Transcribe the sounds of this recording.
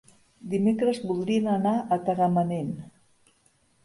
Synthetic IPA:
d̪imekɾəzbulˠd̪ɾiənənaʔət̪əɣəmənen

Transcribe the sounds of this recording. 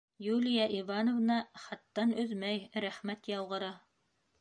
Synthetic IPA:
julʲijɑʔivɑnŏvnɑχɑt̪ːɑnɵðmæjɾæχmæt̪jɑw̪ˠʁɤ̆ɾɑ

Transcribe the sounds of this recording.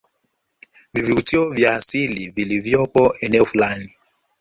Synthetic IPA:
viviutiɔvjaːsilivilivjɔpɔɛnɛɔfulani

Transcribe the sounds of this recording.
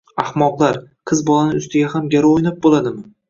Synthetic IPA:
ahmɒqlˠaɾqʰɨzbɒlanɪʊst̪ʰɪɡʲahamɡʲaɾojnap̚bolad̪ɪmɪ

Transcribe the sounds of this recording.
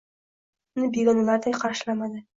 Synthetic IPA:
nɪbeɡɒnalaɾd̪ajqʰɑɾʃɪlamad̪ɪ

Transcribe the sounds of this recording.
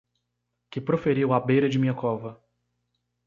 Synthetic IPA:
kɪpɾofeɾiwabejɾɐd͡ʒɪmĩɲɐkɔvɐ

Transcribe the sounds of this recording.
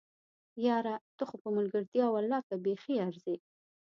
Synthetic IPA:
jɑɾat̪ʊxʊpəmʊlɡəɾt̪jɑwalɑkabexiaɾze

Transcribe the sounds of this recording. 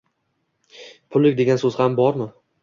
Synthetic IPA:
pʰʊlːɪk̚ʲd̪e̞ɡʲansɵzhambɒɾmɪ

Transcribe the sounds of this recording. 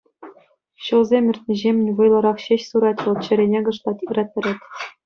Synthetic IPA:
ɕɤ̆lˠzʲemʲɘ̆rʲt̪ʲnʲiʑemʲɘ̆nʲʋɤjlˠɤ̆ɾɑχɕeɕsuɾɑtʲʋɤ̆lˠt͡ɕɘ̆ɾʲenʲeɡɤ̆ʂlˠɑt̪ʲikrɑt̪̚ʲɘ̆ɾʲetʲ

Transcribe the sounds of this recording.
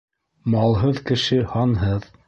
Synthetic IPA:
mɑlˠɦɤðkɘ̆ʃɘhɑnɦɤð

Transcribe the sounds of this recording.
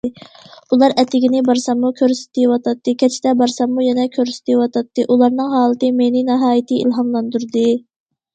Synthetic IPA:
ulˠɑɾɛt̪ʰːɪɡʲinɪbɑɾsɑmmukʲʰøɾsɪ̥t̪ɪwɑt̪ʰɑt̪ːɨkʲʰɛt͡ʃʰɪ̥d̪ɛbɑɾsɑmːujɛnɛkʲʰøɾsɪ̥t̪ʰiwɑt̪ʰɑt̪ːɨʔulˠɑɾnɨŋɦɑːlˠɨt̪ɨmenɪnɛɦɑːjit̪ʰɨḭlˠɦɑnlˠɑnd̪uɾd̪ɨ

